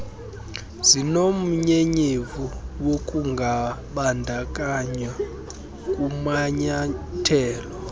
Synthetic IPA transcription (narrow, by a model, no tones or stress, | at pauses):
zinom̩ɲeɲivuwokʼuŋɡʱaɓandʱakʼaɲa | kʼumaɲatʰɛːlɔ